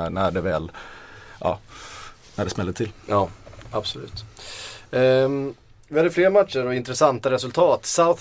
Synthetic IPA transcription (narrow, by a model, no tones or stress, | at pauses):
næɖɛvɛːl | ʔɑ̰ː | næɖɛsmɛlːət̪ʰɪljɑːabsɔlʉ̟̰ːt̪ | vɪhad̪əfleːɾmat̪ʂəɾɔɪnt̪ɾɛsant̪aɾɛsɵlt̪ʰɑːt̪saʊθ